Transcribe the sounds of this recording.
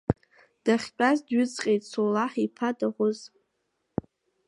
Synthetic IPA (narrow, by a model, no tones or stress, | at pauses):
d̥aχʲt͡pʷʼazdɥʏt͡sʼqʲʼejtʼsolaħipʰadaʁʷʊz